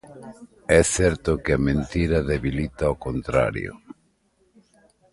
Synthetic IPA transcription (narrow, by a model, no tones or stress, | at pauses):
ɛθɛɾt̪ʊkɪɐmẽnt̪iɾɐðeβilit̪aokont̪ɾa̰ɾjo̰